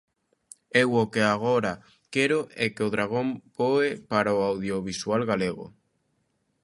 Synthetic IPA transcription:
ewokeaɣ̞oɾa | keɾoʔɛkeoðɾaɣ̞õmpoepaɾaoawðjoβiswalɣaleɣo̰

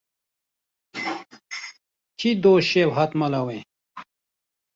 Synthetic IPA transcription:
t͡ɕid̪oːɕewɦɐt̪mɐlɐwẽ

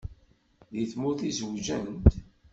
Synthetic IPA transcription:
ðiθmʊθizwʒənt̪

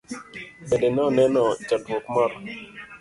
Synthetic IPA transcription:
bedenɛɔnɛnɔd͡ʒadwokmɔɾɔ

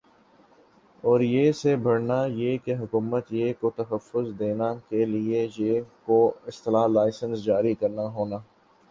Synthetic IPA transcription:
ɔːɾjeːsebʱɐɽnajeːkeɦʊkuːmət̪jeːkot̪ɐɦəfːʊzd̪eːnakeliejeːkoɪst̪ɪlaːlaːɪsənsd͡ʒaːɾikɐɾnaɦoːnaː

